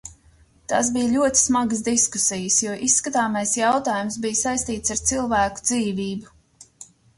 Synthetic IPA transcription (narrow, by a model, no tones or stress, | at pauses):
t̪as̬bijlʲuɔt̪i̥smaɡəsd̪isku̥sijəsjuɔʔisːkat̪aːmajsjawt̪aːjumsbijsajsʲt̪iːt̪saɾt̪silˠvæːku̥d̪ziːviːbu